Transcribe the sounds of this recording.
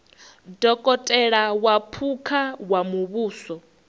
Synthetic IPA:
dɔkʼɔtʼɛɺawapʰukʰawamuβuːsɔ

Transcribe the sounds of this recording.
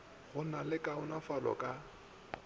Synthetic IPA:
ɣʊnalɪkʼaʊnafalɔ̰kʼa

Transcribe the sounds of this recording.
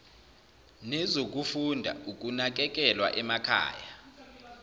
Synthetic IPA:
nɛzok̬ʼufundʱa̰uk̬ʼunak̬ʼɛk̬ʼɛlwa̰ʔɛmakʰa̰ːja

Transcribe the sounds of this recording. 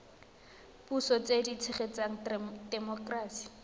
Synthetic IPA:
busɔt͡sedit͡sʰɪχet͡saŋ̩dɛmɔkraːsi̥

